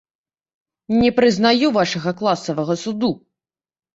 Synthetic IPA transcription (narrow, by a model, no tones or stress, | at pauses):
nʲɛpɾɨznajuvaʂɐɣɐklˠasɐvɐɣɐsud̪u